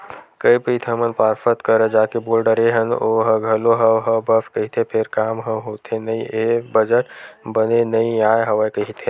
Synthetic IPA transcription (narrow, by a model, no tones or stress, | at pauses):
kəipit̪ʰəmənpaːɾfʰət̪kəɾəd͡ʒaːkeboːlɖəɾeɦənoːɦəɡʱəloɦəwɦəbəfkɐɦit̪ʰepʰɪɾkaːmɦə̃ɦoːt̪enɐĩʔebəd͡ʒəʈbənenɐĩaːeɦɐʋəjkɐɦit̪ʰẽ